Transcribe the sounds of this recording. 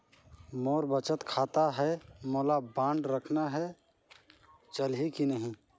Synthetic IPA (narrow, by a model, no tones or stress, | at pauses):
moːɾbət͡ʃət̪kʰaːt̪aɦɛmoːlabãːɳɖɾəkʰnaɦɛ | t͡ʃəlɦikinəɦĩ